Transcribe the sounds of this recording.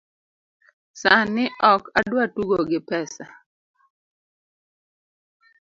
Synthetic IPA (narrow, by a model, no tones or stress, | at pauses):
sanɪʔɔkadwatuɡoɡɪpɛsa